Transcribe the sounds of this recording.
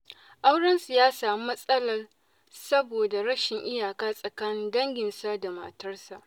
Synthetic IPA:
ʔa˦wɽɐ˦nsɪ˨jaː˦saː˨m˦mɐ˦sʼɐ˦lɐ˨r | sɐ˦boː˨da˨ɾɐ˦ʃɪ˨ŋʔɪ˦jaː˨kaː˦sʼɐ˨kaː˦nɪ˦ndɐ˦ŋɡʲɪ˨nsa˦da˨mɐ̰˨tɐ˦rsa˨ʔ

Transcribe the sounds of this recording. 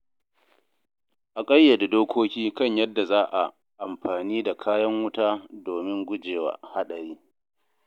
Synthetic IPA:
ʔa˨kʼɐ˦jːa˨da˨doː˦kʷʰoː˦kʲiː˦kɐ˦˨ɲjɐ˦dːa˨zaː˦ʔa̰˨ | ʔa˨mɸaː˨niː˦da˨kʰaː˦jɐ˦ŋwʊ˦taː˦doː˨mɪ˦ŋɡʷʊ˦d͡ʒeː˨wa̰ː˦ha˦ɗɐ˨ɾiː˦

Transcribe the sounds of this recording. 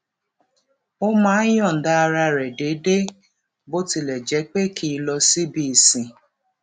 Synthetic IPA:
o˦maː˦jɔ˦˨n̩˨da˦˧ɾa˧ɾe˨de˨˦de˦ | bo˦ti˨le˨d͡ʒɛ˨˦k͡pe˦kʰi˨˦lɔ˧si˦bi˨si˨

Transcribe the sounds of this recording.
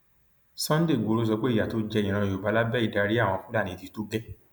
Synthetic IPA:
sɔ̃˦n̩˦de˦˨ɡo˨˧ɾo˦s̬ɔ˧k͡pe˦i˦˨ja˨to˨˧˦d͡ʒɛ˧ĩ˨ɾ̃ã˧jo˨ba˨˦la˦bɛ˦i˨da˧ɾi˦ã˦˨ɔ̃˧fũ˦la˦˨nĩ˧˦˨ti˨˧˦to˦ɡɛ˦

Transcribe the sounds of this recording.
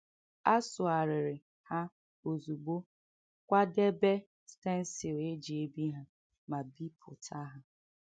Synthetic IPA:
a˦sʊ˨a˨ɾɪ˨ɾɪ˨ | ha˦ | o˨zu˨ɡ͡bo˦ | kʷa˦de˦be˦ | ste˦n̩˦sɪ˨e˦d͡ʒi˨e˦bi˦ɦa˦ | ma˨bi˦pʰʊ̰˨tʰa˦ɦa˨

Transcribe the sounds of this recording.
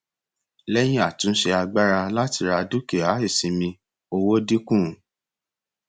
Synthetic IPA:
lɛ˦j̃ĩ˦a˦˨tũ˨˦ʃe˧a˧ɡ͡ba˦ɾa˧la˦ti˧ɾa˧du˦ke˨a˨˦e˦˨sĩ˧mĩ˧ | o˧wo˦di˦kũ˦˨˦

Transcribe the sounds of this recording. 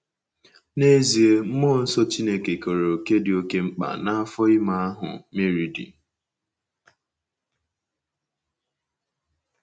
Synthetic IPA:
ne˦zi˨e˦m̩˦moː˦˨n̩˦sɔ˦t͡ʃi˦ne˨ke˨ko˨ɾo˨ke˦dɪ˨o˦ke˦ŋ͡m̩˦k͡pa̰˨na˦a˦fɔ˦ɪ˦ma˦a˦ɦʊ̰˨me˦ɾi˨dḭ˨

